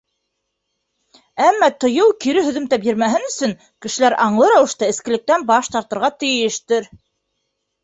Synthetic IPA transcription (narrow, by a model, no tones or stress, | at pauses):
æmːɑt̪ŏjɤwkiɾɘɦɵ̆ðɵ̆mt̪æpjɘ̆ɾmæɦɘnɵ̆sɵŋ | kɘ̆ʃɘ̆læɾʔɑɴlˠɤɾɑwɤ̆ʃt̪ɑɘ̆skɘ̆lɘ̆k̚t̪ænbɑʃt̪ɑɾt̪ɤ̆ɾʁɑt̪ɘ̆jɘ̆ʃt̪ɘɾ